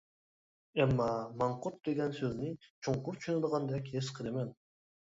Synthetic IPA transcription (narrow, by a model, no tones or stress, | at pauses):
ɛmːɑmɑɴqʊt̪̚d̪eɡʲɛnsøznɪt͡ʃʰoŋqʊɾt͡ʃʰyʃynɪd̪əʁɑnd̪ɛkʲhesqʰəlɪmɛn